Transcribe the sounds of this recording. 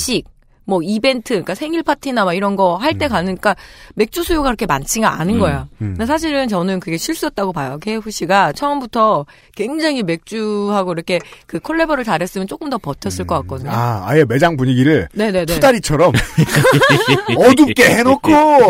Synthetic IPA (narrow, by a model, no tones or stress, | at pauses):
ɕʰik̚ | mʌibe̞ntʰɯk͈asʰe̞ŋiɭpʰatʰinamaiɾʌnɡʌɦaɭt͈e̞kanɯnk͈ame̞k̚t͡ɕ͈usʰujoɡaiɾʌkʰe̞mant͡ɕʰiŋɡaanɯnɡʌejonesʰaɕ̬ʰiɾɯnt͡ɕʌnɯnkɯɡe̞ɕʰiɭs͈uʌt̚t͈aɡopajokeɸuɕ͈iɡat͡ɕʰʌʌmbutʰʌ | kwe̞ŋd͡ʑaŋime̞k̚t͡ɕ͈uɦaɡoiɾʌkʰe̞kɯkʰoɭːe̞bʌɾɯɭtaɾes͈ɯmjʌnt͡ɕ͈ok͈ɯmdʌpʌtʰjʌs͈ɯɭk͈ʌk͈ak̚k͈ʌdɯɲoa̰a̰jeme̞d͡ʑaŋpuɲiɡiɾɯɭne̞ne̞nteudaɾit͡ɕʰʌɾʌm | ʌɡup̚k͈eɦenokʰo